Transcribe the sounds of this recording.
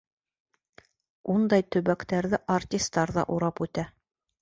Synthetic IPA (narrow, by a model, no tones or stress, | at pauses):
und̪ɑjt̪ɵ̆βækt̪æɾðɘʔartʲist̪ːɑɾðɑ̰ʔuɾɑpʉt̪æ